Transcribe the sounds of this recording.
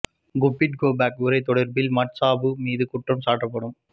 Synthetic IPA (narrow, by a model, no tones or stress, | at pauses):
ɡʊpːɪʈ̚ɡoːbaːkʊɾɐɪt̪ːɔɽɐɾbɪlmɐʈsaːbɯmiːðɯkʊʈrɐmsaːʈːɐpːɐɽɯm